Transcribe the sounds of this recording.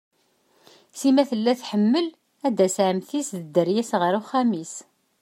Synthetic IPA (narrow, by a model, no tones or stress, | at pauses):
simæθəlːæθħəmːəl | æd̪æsʕəmθisðəd̪ːəɾjæsʁəɾuχæmis